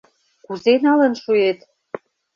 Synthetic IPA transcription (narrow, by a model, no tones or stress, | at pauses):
kuzenɑlə̆nʃuet̪